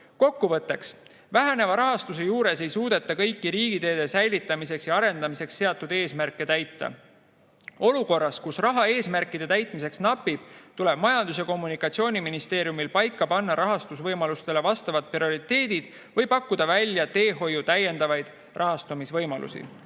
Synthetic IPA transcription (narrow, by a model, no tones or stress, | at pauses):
ko̞kːuvɤt̪ːˑe̞ks | væɦæne̞vɑɾɑɦɑst̪us̬e̞juːɾe̞se̞jsuːd̪̥e̞t̪ːˑɑkɤ̞jkˑːiɾiːɡ̥id̪e̞ːd̪̥e̞sæjlit̪ːˑɑmise̞ksjɑɑɾe̞nd̪ɑmise̞ksːe̞ɑt̪ːˑud̪e̞ːsmærkːˑe̞t̪æjt̪ːɑ̰ | o̞luko̞rːɑskusrɑɦɑe̞ːsmærkːˑid̪̥e̞t̪æjt̪ˑmise̞ksnɑpːib̥̚t̪ule̞b̥mɑjɑnd̪̥usjɑko̞mːunikːˑɑt̪sio̞ːnʲiminist̪e̞ːɾijumilpɑjkːɑpɑnːɑɾʔɑɦɑst̪usvɤjmɑlust̪e̞le̞vɑst̪ɑvɑt̪̚prio̞ɾit̪e̞ːd̪̥id̪̥ | vɤ̞jpɑkːud̪̥ɑvælʲjɑt̪e̞ːɦo̞jut̪æje̞nd̪̥ɑvɑjd̪̥ | rʔɑɦɑst̪umisvɤjmɑlʔṵsḭ